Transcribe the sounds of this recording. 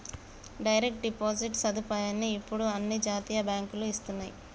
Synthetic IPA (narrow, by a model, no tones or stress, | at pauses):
ɖɐjɾek̚ʈ̚ɖipoːd͡ʒiʈsɐd̪upaːjaːnːiːpːuɽuɐnːid͡ʒaːt̪iːjɐbjaːŋkuluist̪unːaji